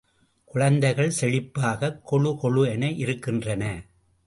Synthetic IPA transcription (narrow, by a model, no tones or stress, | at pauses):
kʊɻɐnd̪ɐɪɣɐɭsɛɻɪpːaːɣɐkʰːɔɻɯkɔɭɯɛnɐʔɪɾɯkːɪndrɐnɐ